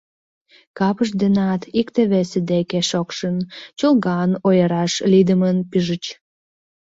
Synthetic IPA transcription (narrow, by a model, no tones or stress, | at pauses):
kɑpəʃ̬d̪enɑt̪ʰikt̪eβesed̪ekeʃokʃənt͡ɕolˠɣɑnojəɾɑʃlid̪əmənpiʒət͡ɕ